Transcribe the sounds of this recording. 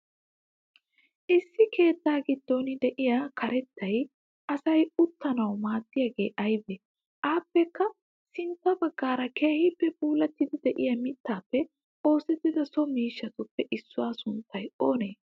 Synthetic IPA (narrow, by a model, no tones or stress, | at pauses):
ʔɪsːɪke̞ːt̪ːaːɡɪd̪ːonɪd̪ɛʔɪjakʰɐɾɛt̪ːɐj | ɐsɐjʊt̪ːɐnɐwmaːt̪ːɪjaːɡe̞̰ːʔɐjbe | ʔaːpːɛkːɐ | sɪnt̪ːɐbɐɡːaːɾɐke̞ːhɪpːɛbuːlɐt̪ːɪd̪ɪd̪ɛʔɪjɐmɪt̪ːaːpːɛ | ʔo̞ːsɛt̪ːɪd̪ɐsɔmiːʃːɐt̪ʊpːɛʔɪsːʊwaːsʊnt̪ːɐjo̞ːneː